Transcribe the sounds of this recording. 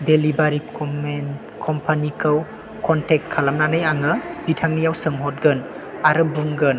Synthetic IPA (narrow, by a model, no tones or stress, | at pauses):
delibaɾi | kʰɔmpʰanikʰɯw | kʰɔntek̚t̚kʰːalamnanajaŋɯbitʰaŋnijawsɯŋɦɔt̚ɡɯn | aɾɯbuŋɡɯn